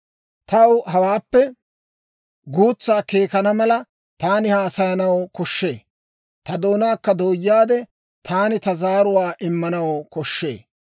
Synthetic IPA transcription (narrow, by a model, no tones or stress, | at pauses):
t̪ɐwɦɐwaːpːɛ | ɡuːt͡sːaːke̞ːkɐnɐmɐlɐ | t̪aːnɪhaːsɐjɐnɐwkɔʃːe̞̰ː | t̪ɐd̪oːnaːkːɐd̪oːjːaːd̪ɛ | t̪ʰaːnɪt̪ɐzaːɾʊwaːʔɪmːɐnɐwkɔʃːe̞̰ː